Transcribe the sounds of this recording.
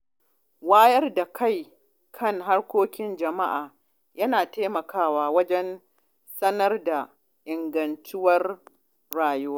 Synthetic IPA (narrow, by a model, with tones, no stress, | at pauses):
waː˦jɐ˦rda˨kʰa˦˨j | kʰɐ˦ŋɦa˦rkʷoː˦kʲɪ˦nd͡ʒɐ˨ma˦ʔaː˨ | jɐ˦naː˨teː˦mɐ˨kʰaː˦waː˨wɐ˦d͡ʒɛ˦n | sɐ˦nɐ˦rda˨ | ʔɪ˨ŋɡɐ˨ntʊ˦wɐ˦r | ɽaː˨jʊ˦waː˦